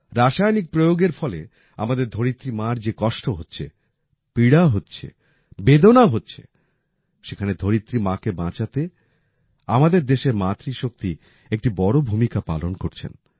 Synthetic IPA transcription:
ɾaʃajnik̚pɾojoɡeɾfɔle | a̰mad̪eɾd̪ʱoɾit̪ːɾimãɾd͡ʑekɔʃʈoɦotːɕʰḛ | piɽaɦotːɕʰḛ | bed̪onaɦotːɕʰḛ | ʃekʰaned̪ʱoɾit̪ːɾimãkebãt͡ɕat̪e | a̰mad̪eɾd̪eʃeɾmat̪ɾiʃok̚t̪i | ek̚ʈibɔɽobʱumikapa̰lonkoɾt͡ɕʰḛn

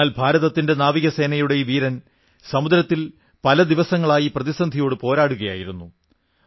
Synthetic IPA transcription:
aːlbʱaːɾɐðɐt̪ːinde̞naːʋiɣɐse̞ːnɐjuɽe̞iʋiːɾɐn | sɐmud̪ɾɐt̪ːil | pɐlɐd̪iʋɐsɐŋːɐɭaːjiprɐðisɐnd̪ʱijoːɽɨpo̞ːɾaːɽuɣɐja̰ːjiɾunːu

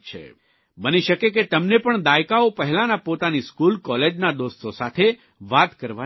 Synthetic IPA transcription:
t͡ʃʰḛ | bəniʃəkeket̪əmnepəɳd̪ajkaopəɦɛlanapot̪aniskulkɔled͡ʒnad̪ost̪ʰosat̪ʰe | ʋat̪kəɾʋa

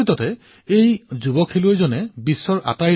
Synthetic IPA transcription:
it̪ɔtɛ | ejzubɔkʰːeluojzonɛbisːɔɹʔa̰taj

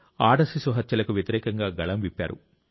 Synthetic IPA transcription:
aːɖɐsisuɦɐt̪jɐlɐkuʋjɐt̪iɾɛːkɐŋɡaːɡɐɭɐmʋipːa̰ːɾṵ

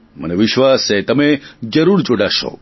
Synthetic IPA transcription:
məneʋɪʃʋaset̪əmed͡ʒəɾuɽd͡ʒoɽaʃo̰

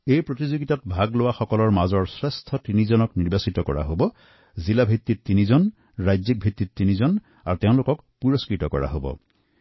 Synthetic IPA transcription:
ejpɹotizoɡitatbʱaɡlowaxɔkɔlɔɹmazɔɹsɹestʰɔtinizɔnɔkniɹbasitɔkɔɹa̰ɦobɔ | zilabʱitːitːinizɔn | ɹajzik̚bʱit̪ːitːinizɔn | aɹuteʊ̃lokɔk | puɹɔskɹitɔkɔ̰ɹa̰ɦobɔ̰

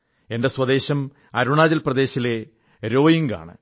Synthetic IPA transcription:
e̞nde̞swɐd̪e̞ːɕɐm | ɐ̰ɾuɳaːd͡ʑɐlprɐd̪e̞ːɕile̞ | ɾo̞ːjiŋɡa̰ːɳɨ̰

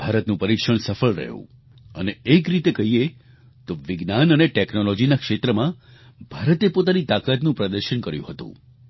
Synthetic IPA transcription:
b̥ʱaɾət̪nũpəɾikʃəɳsəfəɭɾə̰ɦjṵ̃ | əneːkɾit̪ekəɦie | t̪oʋiɡnanəneʈeknolod͡ʒinakʃet̪ɾəmã | bʱaɾət̪epot̪anit̪akat̪nũpɾəd̪əɾʃənkəɾjṵ̃ɦət̪ṵ̃

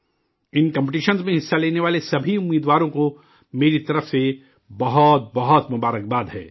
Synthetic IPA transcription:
ɪnkɐ̃mpʈiːʃənzmẽɦɪsːaleːneʋaːlesɐbʱiʊmːiːd̪ʋaːɾõko | meːɾit̪ɐɾəfse | bɐɦɔt̪̚bɐɦɔt̪mʊbaːɾək̚baːd̪ɦɛ̰ː

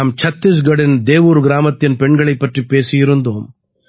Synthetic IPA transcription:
aːmt͡ʃʰɐt̪ːis̬ɡɐɽend̪eːʋuɾuɡɾaːmɐt̪jɐnpeɳɡɐɭɐjpɐʈːipeːsijiɾund̪om

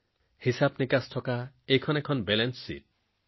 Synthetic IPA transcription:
hisabnikastʰɔka | ekʰɔnekʰɔnbelensːḭt̚

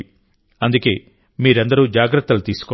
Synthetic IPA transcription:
ɐnd̪uke̞ː | miːɾɐnd̪ɐɾuːd͡ʒaːɡɾɐt̪ːɐlut̪iːsu̥kɔ

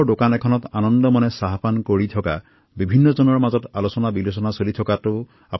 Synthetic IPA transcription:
dokanɛkʰɔnɔtanɔndɔmɔnɛsaɦapankoɹitʰɔka | bibʱinːɔzɔnɔɹmazɔtalosɔnabilosɔnasolitʰɔkatʊ | a

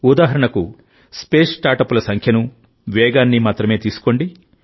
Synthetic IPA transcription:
ud̪aːɦɐɾɐɳɐku | speːsʈaːɾʈɐpulɐsɐŋkʰjɐnu | ʋɛːɡaːnːimaːt̪ɾɐme̞ːt̪iːsu̥ko̞ɳɖi

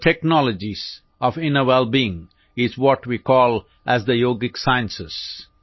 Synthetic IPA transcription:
ʈʰɛknɔləd͡ʒiz̥ | ɔʋɪ̃nəwɛlˠbiɪ̃ŋ | ɪzwɔʈwikɔːlˠ | ʔæzd̪əjoːɡɪksaɪə̃nsɪs

